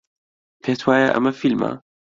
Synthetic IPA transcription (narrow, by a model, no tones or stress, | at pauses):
pɛt̪ʰwajaʔa̰mːafilma̰